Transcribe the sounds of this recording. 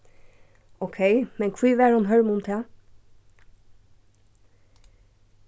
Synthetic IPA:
okʰeɪmɛnkʰʋiːʋæːɹhʊnɦœɹmʊmt̪ʰɛː

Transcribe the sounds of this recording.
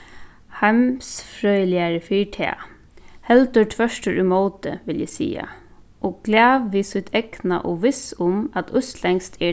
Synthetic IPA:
hamsfɾœʏlɪaɹəfiːʈʰɛ̰ː | hɛlt̪ət̪ʰʋœʃʈəɹymoːt̪ə̰ʋɪljæsḭːa̰ | ʔoːɡɡ̥laːʋːiːsʏt̪ʰɛknaʔoːʋɪsʊmat̪ʰʊst̪lɛŋst̪ʰɛ

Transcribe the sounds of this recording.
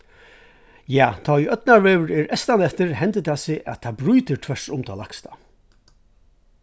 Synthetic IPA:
jaːt̪ʰɔːiʔœt̪naɹveːʋəɹɛɹɛst̪anɛft̪ɪɹhɛnt̪ɪt̪ʰasɪʔæ̰t̪ʰabɾujt̪ɪɹt̪ʰvɛɹsʊmt̪ʰɔlakst̪ʰḁ

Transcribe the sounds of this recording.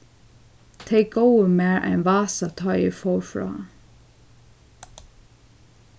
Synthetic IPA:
t̪ʰeɪɡoʊəmeːɹʔæ̰ɪnʋɑːsɑt̪ʰœʏɪ̰fɔːɹfɹɑ̰ː

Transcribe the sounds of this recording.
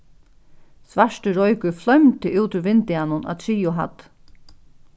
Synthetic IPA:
sʋaʂʈəɾɔjkʏflœmt̪əʔuːt̪ʏɾvɪnt̪ɪanʊna̰t̪ʰɾiːʊɦa̰t̪

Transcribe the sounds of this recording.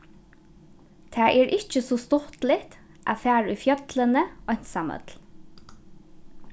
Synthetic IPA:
t̪ʰæːʔɛːɹʔɪt͡ʃəsɔst̪ɔht̪lɪht̪ | ʔa̰ːfæːɹʉfjœt̪lənəɔɲ̥t̪saːmœ̰t̪l

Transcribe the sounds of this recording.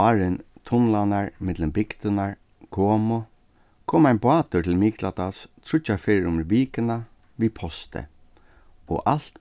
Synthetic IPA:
ɑːɾɪnt̪ʰʊnlanaɹmɪt̪lɪmbɪkt̪ɪnaɹ | kʰoːmʊ | kʰoːmaɪnbʊaːt̪ʏt̪ʰɪlmiːklat̪ast̪ʰɹʊt͡ʃːafeːɾɪʊmviːkɪna | ʋiːpʰɔst̪ə̰ | ɔ̰ʔal̥t̪

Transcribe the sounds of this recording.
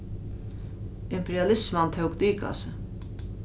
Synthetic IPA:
ɪmpʰɛɾjalɪsmant̪ʰɛwkd̪iːka̰sə

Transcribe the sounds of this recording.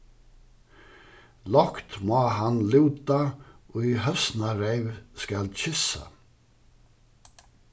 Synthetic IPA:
lɔkt̪mɔːɦanluːt̪aɔiɦœsnaɾejvskalt͡ɕɪsa̰

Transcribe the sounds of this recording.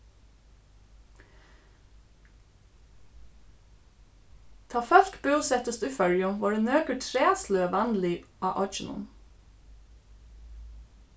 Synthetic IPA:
t̪ʰɑːfœʃtbøʉsɛt̪əst̪ʉfœljʊʋɑːɖeːnøːkəʈʰɾeːsløːʋænliʔɑːʔɑt͡ʃən̩ʊ̰n

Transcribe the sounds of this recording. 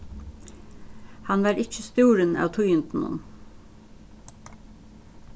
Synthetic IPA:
hɑnʋɑːɾɪc͡çəst̪uːɾənɑ̰ːʋt̪ʰʊjʏnt̪n̩ʊ̰n

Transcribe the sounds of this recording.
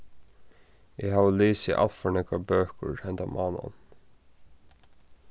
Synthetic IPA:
ɛɦaːʋəleːsɪ̰ʔa̰lt̪fɔɳɛkabøːkə̰ɹhɛnt̪amʔɑːna̰n

